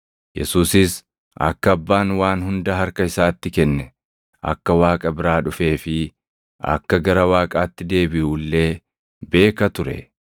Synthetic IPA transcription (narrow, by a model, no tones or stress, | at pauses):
jɛ̰suːsɪs | ʔɐ̰kːɐːbːaːnwaːnhʊnd̪ɐɦɐɾkɐɪsaːt̪ːɪkɛnːɛ | ʔɐ̰kːɐwaːkʼɐbɪɾaːᶑʊfe̞ːfɪ | ʔɐ̰kːɐɡɐɾɐwaːkʼaːt̪ːɪd̪e̞ːbɪʔuːlːe̞ː | be̞ːkɐt̪ʊɾɛ̰